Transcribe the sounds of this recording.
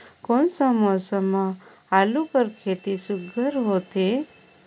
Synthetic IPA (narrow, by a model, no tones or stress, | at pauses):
konsəmɔsəma | alukəɾkʰet̪isʊɡʱəɾɦot̪e